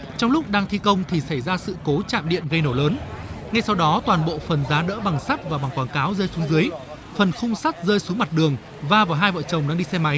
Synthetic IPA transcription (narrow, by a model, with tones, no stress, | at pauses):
t͡ɕɔ˧wŋ͡mlʊ˦˥k͡p̚ɗaː˧ŋt̪ʰi˧kə˧wŋ͡mt̪ʰi˨˩sa˧˩jzaː˧sɨ̰˧˨ko˨˦t͡ɕa̰ː˧˨mɗḭ˧˨ənɣə˧jno˧˩ləː˨˦nŋa˧jsa˧wɗɔ˨˦t̪waː˨˩nɓo̰˧˨fə˨˩nzaː˨˦ɗə̰ː˧˥ɓa˨˩ŋsa˦˥t̚vaː˨˩ɓa˨˩ŋkwaː˧˩nkaː˨˦wzəː˧jsu˨˦ŋzɨ˨˦əj | fə˨˩nxʊ˧ŋ͡msa˦˥t̚zəː˧jsu˨˦ma˨˩t̚ɗɨ˨˩əŋ | vaː˧vaː˨˩ɦaː˧jvə̰ː˧˨t͡ɕə˨˩wŋ͡mɗaː˧˥ɗi˧sɛ˧ma˨˦j